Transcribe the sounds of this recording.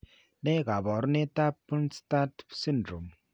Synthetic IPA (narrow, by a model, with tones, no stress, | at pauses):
ne˦ɡa˨bɔ˨ɾne˦ta˦pːu˦nsta˦tsi˦n˨dɾo˨m